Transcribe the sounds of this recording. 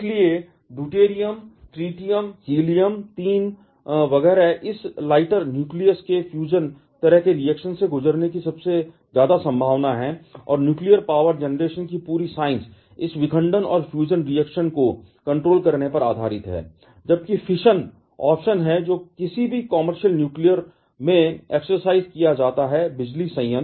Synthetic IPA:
lie | duːʈeːɾijəmʈɾiːʈijəmhiːlijəmt̪iːn | ʋɐɡɛːɾaʔɪslaːɪʈəɾnjuːklijəɾskefʰjuːd͡ʒən | t̪ɐɾəɦkeɾijɛːkʃənseɡʊzəɾnekisɐbse | zjaːd̪asɐ̃mbʱaːʋnaɦɛɔ̰ːɾnjuːklijəɾpaːʋəɾd͡ʒɛːnɾeːʃənkipuːɾisaːɪ̃ns | ɪsʋɪkʰə̃ɳɖənɔ̰ːɾfʰjuːd͡ʒənɾiɛːkʃənko | kɐ̃ɳʈɾoːlkɐɾnepɐɾaːd̪ʱaːɾɪt̪ɦɛ̰ː | d͡ʒɐb̚kifʰɪʃən | ɔːpʃənɦɛd͡ʒoːkɪsibʱikɔməɾʃəlnjuːklijəɾ | mẽɛːksəɾsaːɪzkijad͡ʒaːt̪aɦɛbɪd͡ʒlisɐ̃ːə̃n

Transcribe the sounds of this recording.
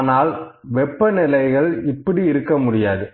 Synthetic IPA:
naːlʋɛpːɐnɪlɐɪɣɐɭɪpːɐɽiɪɾɯkːɐmʊɽɪjaːðɯ

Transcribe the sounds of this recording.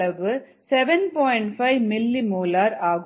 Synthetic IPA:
ɐʋɯ | sɛʋɛnpɔːjɪɳʈfɐɪʋmɪlːimuːlaːɾaːɣ

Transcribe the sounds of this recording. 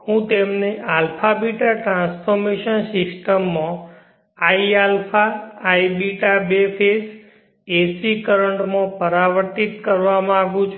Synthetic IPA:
hũt̪emneʔalfʰabiʈaʈɾãnsfʰɔɾmeʃənsɪsʈəmːã | aialpʰaːjbiʈabefʰes | esikəɾəɳʈmãpəɾaʋəɾt̪it̪kəɾʋamãaɡũt͡ʃʰ

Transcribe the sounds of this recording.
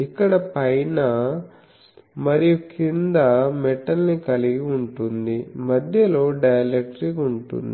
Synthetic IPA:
ikːɐɽɐpɐjnɐ | mɐɾijukind̪ɐmɛʈːɐlnikɐliɡiuɳʈund̪imɐd̪ʱjɐlo̞ːɖɐjɐlekʈɾikuɳʈṵnd̪i

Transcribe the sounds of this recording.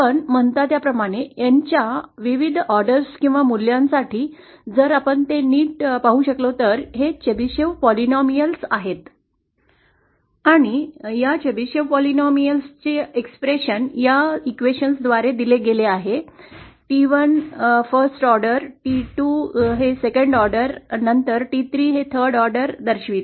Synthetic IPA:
pəɳm̤əɳt̪at̪japɾəmaɽ̃ejaɲt͡ɕjaʋiʋid̪ʱɔɾɖəɾskĩw̃ʋamuljãnsaʈʰiː | d͡zəɾapəɳt̪eniːʈpaɦũɕəklot̪əɾɦet͡ɕebiɕeʋpɔlinɔmijəlsaɦet̪ | aɽ̃ijat͡ɕebiɕeʋpɔlinɔmijəlst͡ɕeekspɾeɕənjaikʋeɕənsd̪ʋaɾed̪ileɡeleaɦeʈiʋənfəɾsʈɔɾɖəɾʈiʈuɦesekəɳɖɔɾɖəɾnənt̪əɾʈit̪ʰɾiːɦet̪ʰəɾɖɔɾɖəɾd̪əɾɕʋiːt̪

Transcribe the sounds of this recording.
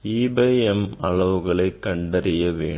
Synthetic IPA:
iːbeːɛmɐɭɐʋɯɣɐɭɐɪkːɐɳɖɐɾɪjɐʋḛːɳ

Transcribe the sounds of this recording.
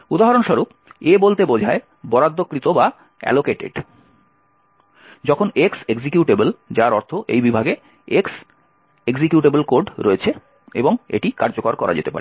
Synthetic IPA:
ud̪aɦaɾonʃɔɾup̚ | ebolt̪ebod͡ʑʱae | bɔɾad̪ːokːɾit̪oba | ɛ̰lokeʈḛɖ | d͡ʑɔkʰonekseɡd͡ʑikjuʈebeld͡ʑaɾɔɾt̪ʰoʔḛjbibʱaɡe | eks | eɡd͡ʑikjuʈebelkoɾɖɾoet͡ɕʰe | ḛboŋḛʈikaɾd͡ʑokoɾkɔɾʔa̰d͡ʑḛt̪epaɾe

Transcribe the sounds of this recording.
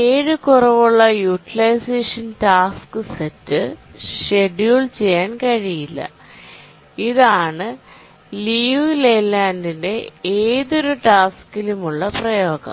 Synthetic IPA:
eːɻɨkurɐʋuɭːɐjuʈilɐjseːʂɐntaːskɨsetːɨʂeɖjuːɭt͡ɕe̞jːaːnkɐɻijilːɐ̰ | iðaːɳɨ | lijulelaːndinde̞eːðo̞ɾuʈaːskilumuɭːɐprɐjo̞ːɣɐ̰m

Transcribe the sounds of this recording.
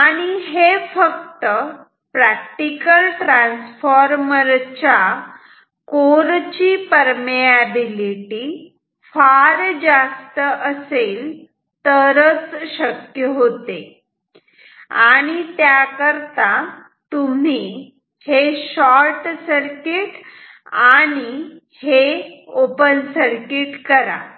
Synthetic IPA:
aɽ̃iɦefək̚t̪ə | pɾæk̚ʈikəlʈɾãnsfɔɾməɾt͡ɕa | koɾt͡ɕipəɾmiabiliʈi | faɾd͡ʑast̪əʔəseːl | t̪əɾət͡sɕəkjəɦot̪e | aɽ̃it̪jakəɾt̪a | t̪um̤i | heɕɔɾʈsəɾkiʈ | aɽ̃i | heopənsəɾkiʈkəɾa̰

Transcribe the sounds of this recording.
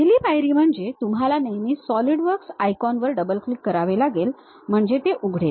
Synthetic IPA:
eliːfajɾiːm̤əɳd͡zet̪umɦalanəjniːsɔliɽʋəɾksajkɔnʋəɾɖəbəlklikːəɾaʋelaɡel | m̤əɳd͡zet̪eʔuɡʱɽel

